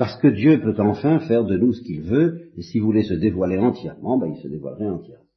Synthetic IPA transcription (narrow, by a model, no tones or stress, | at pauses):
paʁsə̥kəd̪jøpøt̪ɑ̃fɛ̃fɛʁd̪ənusə̥kilvøesivulesəd̪evwaleɑ̃t̪jɛʁmɑ̃bailsəd̪evwa̰lʁɛɑ̃t̪jɛʁmɑ̃